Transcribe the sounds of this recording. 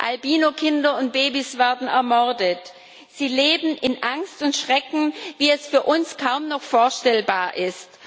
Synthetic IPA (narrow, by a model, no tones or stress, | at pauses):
ʔalbiːnokʰɪndɐʊnt̚b̥eːbisv̥ɛɐdn̩ɛɐmɔɐdət | z̥iːleːbm̩ʔɪnʔaŋstʊntʃʁ̥ɛkŋ̩viːɛsfyːɐʔʊnskʰaʊmnɔχfoːɐʃtɛlbaːɐʔɪst